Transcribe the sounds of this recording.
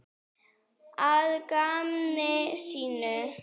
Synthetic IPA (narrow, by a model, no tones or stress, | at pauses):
alkamneʃinə